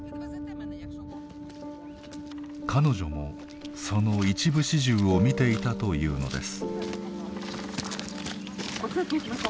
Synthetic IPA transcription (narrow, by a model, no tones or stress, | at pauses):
kʰano̞ʑo̞mo̞ | so̞no̞it͡ɕibɯ̟ɕiʑɨːomʲit̪e̞it̪at̪o̞jɯ̟̰ːno̞̰d̪e̞̰sɨ̥